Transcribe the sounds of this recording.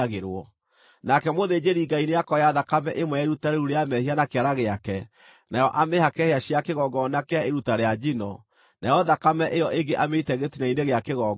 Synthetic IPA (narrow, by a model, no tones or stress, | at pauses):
ɣeɾwɔ | nakɛmoðed͡ʒeɾiŋɡaineakɔjaðakamɛʔemwɛaeɾutaɾeɾuɾeamɛhianakeaɾaɣeakɛ | najɔʔamehakɛheaɕiakeɣɔɡɔnakeaeɾutaɾead͡ʒinɔ | najɔðakamɛʔejɔʔeŋɡeʔameitɛɣetinaineɣeakeɣɔ